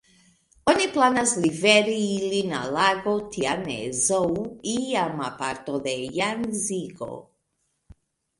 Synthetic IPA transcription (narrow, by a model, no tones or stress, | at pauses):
oniplanaslivɛɾiilina̰laɡot̪ʰianɛ̰zowiamapaɾt̪oðɛjanziɡo̰